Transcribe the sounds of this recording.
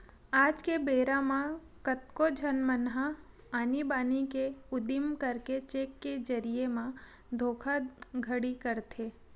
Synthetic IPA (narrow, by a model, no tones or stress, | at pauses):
aːd͡ʒkebeːɾãmã | kət̪kod͡ʒʱənmənɦa | aːnibaːnikeʊd̪ɪmkəɾket͡ʃeːkːed͡ʒɐɾiemã | d̪ʱoːkʰaɡʱəɽikəɾt̪ʰeː